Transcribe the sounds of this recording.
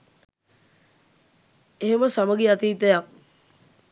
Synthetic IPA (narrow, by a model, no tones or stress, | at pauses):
eɦeməsaməɡiat̪iːt̪əjak̚